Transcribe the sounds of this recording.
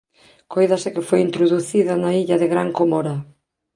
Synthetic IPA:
kojðɐsɪkɪfojint̪ɾoðuθiðɐnaiʎɐðɪɣɾaŋkomoɾɐ

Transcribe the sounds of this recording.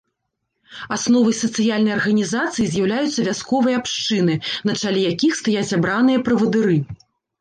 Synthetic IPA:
asnɔvɐjsɐt̪sɨjalʲnɐjɐrɣɐnʲizat̪sɨjizʲjɐwlʲajut̪sːɐvʲaskɔvɐjɐapʂt͡ʂɨnɨnɐt͡ʂalʲɛjakʲixst̪ajat͡sʲabɾanɨjɐpɾɐvɐd̪ɨɾɨ

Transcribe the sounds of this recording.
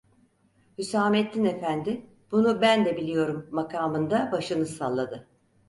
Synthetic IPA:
hysaːmɛt̪̚d̪inefænd̪ɪ | b̥unubænd̪ɛbilʲijo̞ɾumːakʰaːmɯnd̪abaʃɯnɯsalˠːad̪ɯ

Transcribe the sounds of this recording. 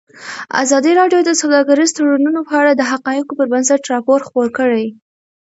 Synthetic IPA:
a̰zɑd̪iɾɑɖjod̪əsawd̪ɑɡaɾizt̪aɽanunopəaɽad̪əɦaqɑjɪqopəɾbansaʈɾɑpoɾxpoɾkəɽaj

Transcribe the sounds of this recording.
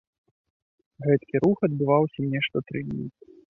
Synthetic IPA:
ɣɛt̪kʲiɾuxɐd̪̚bɨvawsʲɐnʲɛʂt̪ɔt̪ɾɨdʲnʲḭ

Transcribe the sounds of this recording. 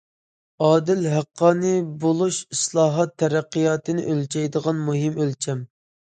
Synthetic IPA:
ɑːd̪ɪlɦæqːɑːnɨbolˠuʃislˠɑːɦɑt̪ʰːɛɾæqːijɑːt̪ɨnɪ̰ʔølt͡ʃʰɛjd̪əʁɑnmuɦɪmølt͡ʃʰɛm

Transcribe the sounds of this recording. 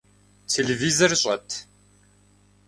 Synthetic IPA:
t̪ʰelevizɐrɕʼɐ̰t̪ʰ

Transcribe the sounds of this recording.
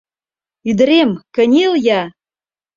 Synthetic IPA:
yd̪ə̆ɾemkə̆nʲeljɑ

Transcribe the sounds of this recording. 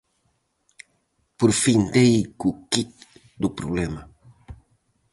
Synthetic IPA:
poɾfĩnd̪ekukit̪ | d̪upɾuβlɛmɐ

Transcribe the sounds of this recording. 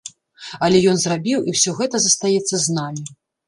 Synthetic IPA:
ɐlʲɛjɔnzrabʲiwiwsʲɔɣɛt̪ɐzɐst̪ajɛt̪sːɐznamʲi

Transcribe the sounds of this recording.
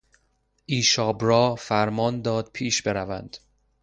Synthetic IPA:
ʔiːʃɒːbɾɒːfæɾmɒːnd̪ɒːd̪̥̚pʰiːʃbe̞ɾævænd̪̥

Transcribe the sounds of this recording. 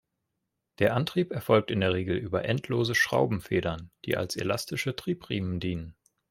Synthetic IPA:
d̥eːɐʔantʁ̥iːpɛɐfɔlk̚tɪndeːɐʁ̞eːɡl̩ʔyːbɐʔɛntʰloːzəʃʁ̥a̰ʊbm̩feːɾɐnd̥ḭːʔa̰lsḛlastɪʃətʁ̥iːpʁ̥iːməndiːnən

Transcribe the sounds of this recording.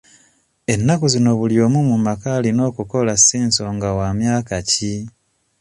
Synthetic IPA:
e̞nːakuzino̞βuljo̞ːmumumakalino̞ːkuko̞lasiːnso̞ːŋɡawamjaːkaci

